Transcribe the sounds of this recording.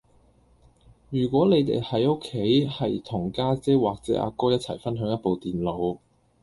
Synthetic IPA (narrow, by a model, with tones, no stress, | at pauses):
jyː˨˩kʷɔː˨˥le˨˧jt̪ḛ˨jhɐ˨˥jo˥kʰːe˨˥jhɐ˨jt̪ʰʊ˨˩ŋkaː˥t͡sɛː˥waː˨k̚t͡sɛ̰ː˨˥ʔa̰ː˧kɔː˥jɐ˥t̚t͡sʰɐ̰˨˩jfɐ˥nɦœː˨˥ŋjɐ˥t̚po˨˧wt̪iː˨nlo˨˧w